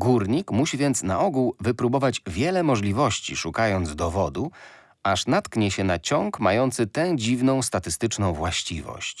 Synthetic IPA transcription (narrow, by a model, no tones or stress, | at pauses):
ɡuɾɲikmuɕivʲjɛnt̪sna̰ʔɔɡuwvɘpɾubɔvad͡ʑvʲjɛlɛmɔʐlʲivɔɕt͡ɕḭʂukajɔnd̪zd̪ɔvɔd̪u | aʂnat̪kɲɛɕɛnat͡ɕɔŋkmajɔnt̪sɘt̪ɛwd͡ʑivnɔ̃w̃st̪at̪ɘst̪ɘt͡ʂnɔ̃w̃vwaɕt͡ɕivɔ̰ɕt͡ɕ